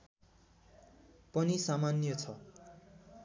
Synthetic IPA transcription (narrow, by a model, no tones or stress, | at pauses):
pʌnisamanjʌt͡sʰʌ